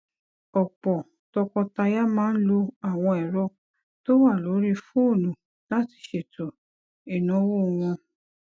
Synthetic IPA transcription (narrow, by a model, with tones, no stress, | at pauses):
ɔ˨k͡pɔ˨ | tɔ˧kɔ˧ta˧ja˦mãː˦n̩˦lo˧a˦˨w̃ɔ̃˧ɛ˨ɾɔ˦ | to˦wa˦˨lo˨˦ɾi˦fũ˦o˦˨nũ˨ | la˦ti̥˨ʃe˨to˨ | e˨nũ˨˦wo˦˧w̃ɔ̃˧